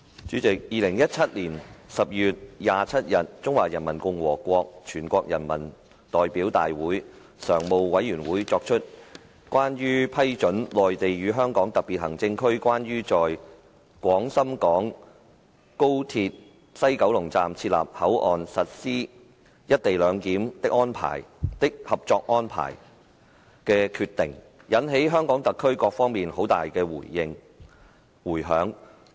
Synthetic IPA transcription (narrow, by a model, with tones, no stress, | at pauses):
t͡ʃyː˨˥t͡sɪ˨k̚jiː˨˧lɪ˨˩ŋjɐ˥t̚t͡sʰɐ˥t̚liː˨˩nsɐ˨p̚jyː˨t̚jaː˨˧t͡sʰɐ˥t̚jɐ˨t̚t͡sʊ˥ŋwaː˨jɐ˨˩nmɐ˨˩nkʊ˧ŋwɔː˨˩kʷɔː˧k̚t͡ʃʰyː˨˩nkʷɔː˧k̚jɐ̰˨˩nmɐ˨˩n | t̪ɔː˨jpiː˨˥wt̪a̰ː˨jwuː˨˥j | sœː˨˩ŋmo˨˧wwɐ˨˥jyː˨˩nwuː˨˥jt͡sɔː˧k̚t͡ʃʰɵ˥t̚ | kwaː˥njyː˥pʰɐ˥jt͡ʃɵ˨˥nlɔː˨jt̪e˨jɥyː˨˧ɦœː˥ŋkɔː˨˥ŋt̪ɐ˨k̚piː˨t̚hɐ˨˩ŋt͡sɪ˧ŋkʰɵ˥ɥkʷaː˥nɥyː˥t͡sɔː˨j | kʷɔː˨˥ŋsɐ˥mkɔː˨˥ŋ | ko˥wt̪ʰiː˧t̚ | sɐ˥jkɐ˨˥wlʊ˨˩ŋt͡sa̰ː˨mt͡sʰiː˧t̚la̰ː˨p̚hɐ˨˥wʔɔː˨nsɐ˨t̚siː˥ | jɐ˥t̚t̪e˨jlœː˨˧ŋkiː˨˥mt̪ɪ˥k̚ʔɔː˥npʰa̰ː˨˩jt̪ɪ˥k̚hɐ˨p̚t͡sɔː˧k̚ʔɔː˥npʰa̰ː˨˩j | kɛː˧kʰyː˧t̪ɪ̰˨˩ŋ | jɐ˨˥nɦe˨˥jɦœː˥ŋkɔː˨˥ŋt̪ɐ˨kʰːɵ˥ɥkɔː˧k̚fɔː˥ŋmiː˨nho˨˥wt̪a̰ː˨jkɛː˧wṵː˨˩jːɪ˨ŋ | wuː˨˩jɦœː˨˥ŋ